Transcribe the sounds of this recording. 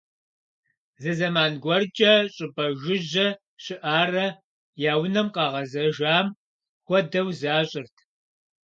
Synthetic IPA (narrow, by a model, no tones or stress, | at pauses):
zɐzɐmaːnɡʷɐrd͡ʒʼɐɕʼɪbʼɐʒʊʒɐ | ɕɪʔaːrɐ | jaːwnɐmqɑːʁɐzɐʒaːm | xʷɔdɐwzaːɕʼɪrtʰ